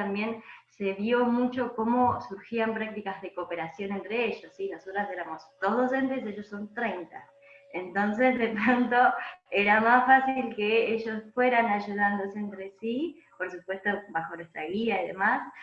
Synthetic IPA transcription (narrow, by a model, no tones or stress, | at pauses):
ambje̞nse̞βjo̞mut͡ʃo̞ko̞mo̞suɾxiampɾak̚t̪ikazðe̞kope̞ɾasjo̞ne̞nt̪ɾe̞eʒosːino̞so̞t̪ɾose̞ɾamo̞sd̪̥ozðo̞se̞nt̪e̞seʒo̞sːo̞nt̪ɾe̞jnt̪a | ent̪o̞ns̬e̞zðepɾont̪o̞e̞ɾamasfasilke̞eʒo̞sfwe̞ɾanaʒuð̞and̪oseent̪ɾesi | po̞ɾsupwe̞st̪obaxonest̪ɾaɣiaiðe̞̰mas